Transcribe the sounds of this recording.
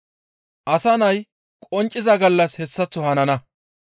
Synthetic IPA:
ʔɐsɐnɐj | kʼɔnt͡ʃʼːɪzɐɡɐlːɐshɛsːɐt͡sːʊhɐnɐnɐ

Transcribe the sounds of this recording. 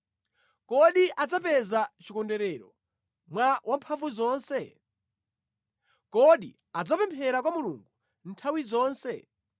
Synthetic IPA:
kɔɗiʔad͡zapɛzat͡ʃikɔndɛɾɛɾɔ | mwawʔampʰaɱvuzɔːnsɛ | kɔɗḭ | ad͡zapɛmpʰɛɾakwamuluŋɡu | n̩tʰawizɔːnsɛ

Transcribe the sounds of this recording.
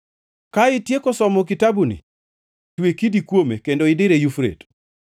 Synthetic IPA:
kaɪtjekɔsɔmɔk̬itabunḭ | twekidikwomekendoɪdɪɾejufɾḛt

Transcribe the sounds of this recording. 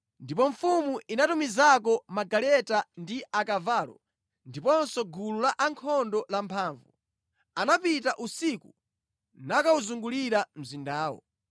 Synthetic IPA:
ndipɔɱfumuʔinatumizak̬ɔmaɡalɛtandiakavaːlɔ̰ | ndipɔnsɔɡululaʔaŋkʰɔndɔlampʰaːɱvu | anapitaʔusiku | nakauzuŋɡuliɾam̩zindaːwɔ̰

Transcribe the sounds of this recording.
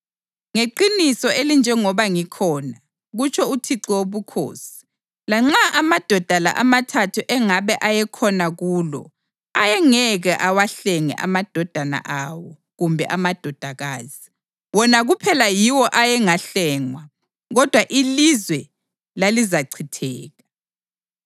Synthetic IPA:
ŋeǃinisɔelind͡ʒʱɛŋɔβaŋikʰɔːna | ɣut͡ʃʰɔutʰiǀiwoβukʰo̰ːsi̥ | laŋ͡ǁaʔamad̥ʱɔd̥ʱala̰ʔamatʰatʰuʔɛŋaβɛʔajɛkʰɔnaɣuːlɔ̰ | ajɛŋɛɣɛʔawaɬɛŋɛ̰ʔa̰mad̥ʱɔd̥ʱana̰ʔawɔ | ɣumbʱɛ̰ʔamad̥ʱɔd̥ʱaɣaːz̥i | wɔnaɣupʰɛlajiwɔʔajɛŋaɬɛːŋwa | ɣɔd̥ʱwaʔilizwɛ | lalizaǀʰitʰɛːɣa

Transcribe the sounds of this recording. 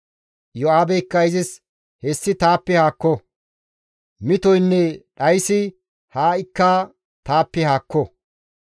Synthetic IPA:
jɔaːbɛɪkːɐjɪzɪs | hɛsːɪt̪aːpːɛhaːkːɔ | mɪt̪ɔjnːɛɗɐjsɪ | haːɪkːaː | t̪aːpːɛhaːkːɔ

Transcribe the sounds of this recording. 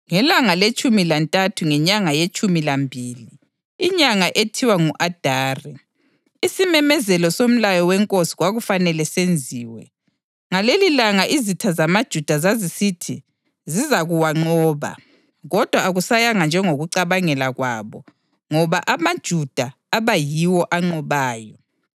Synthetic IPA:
ŋɛlaŋalet͡ʃʼumilantʼatʰuŋɛɲaŋajet͡ʃʼumilambʱiːliː | ɲaŋaʔetʰiwaŋuʔad̥ʱaːri | isimɛmɛzɛlɔsom̩lajɔwɛŋkʼosi̥ɣwaɣufanɛlɛsend͡zʱiːwɛ̰ | ŋalelilaŋaʔizitʰazamad̥ʒ̥ʱud̥ʱazazisitʰi | zizaɣuwaŋ͡ǃɔːβa̰ | ɣɔd̥ʱwaːɣusajaŋand͡ʒʱɛŋoɣuǀaβaŋɛlaɣwa̰βɔ | ŋɔβaʔamad̥ʒ̥ʱud̥ʱa | aβajiwɔʔaŋ͡ǃɔβaːjɔ

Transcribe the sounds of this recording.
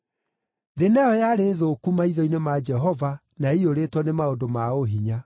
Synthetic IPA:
ðenɛɔjaɾeːðokumaiðɔinemad͡ʒɛɦɔva | naioɾetwɔnemaodomaoɦiɲa

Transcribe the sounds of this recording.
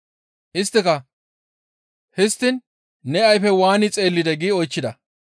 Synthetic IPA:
ʔɪst̪ːɪkɐ | hɪst̪ːɪn | nɛɐjfɛwaːnɪt͡sʼe̞ːlːɪd̪ɛɡiɔjt͡ʃːɪd̪ɐ

